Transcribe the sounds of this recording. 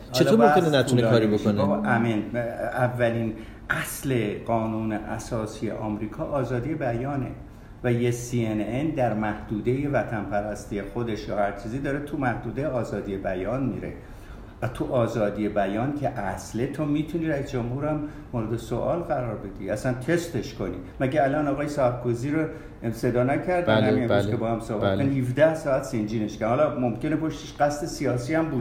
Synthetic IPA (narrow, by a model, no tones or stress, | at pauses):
ht͡ʃːʰetlomenenæt̪ʰunekɒːɾibooneʔæmenævːæliːn | ʔæsle̞ɢɒːnuːneʔæ̰sɒːsijḛʔɒːmɾiːkʰɒːʔɒːzɒːd̪ije̞bæjɒːnḛ | væjesienend̪æɾmæhd̪̥uːd̪eje̞væt̪ʰænpʰæɾæst̪ije̞xo̞d̪e̞ʃjɒːhæɾt͡ʃʰiːziːd̪ɒːɾet̪ʰumæhd̪uːd̪ejeɒːzɒːd̪ije̞bæjɒːnmiːɾḛ | væt̪ʰuʔɒːzɒːd̪ije̞bæjɒːncʲʰe̞ʔæsle̞t̪ʰomiːt̪ʰuniːɾæisd͡ʒomhuːɾæmː | oɾed̪eso̰ʔɒːlɣæɾɒːɾbe̞d̪ḭʔæsænt̪ʰe̞st̪e̞ʃko̞nḭːmæɟeælɒːnɒːɣɒːjesɒːæp̚kʰoziːɾo | se̞d̪ɒːnækʰæɾd̪ænnæmineæskʰebɒːhæmsoːbætkonihivd̪æhsɒːæt̪send͡ʒiːneʃkænhɒːlɒmomcenepʰoʃt̪eʃɢæst̪esiɒːsiːæmbuːd̪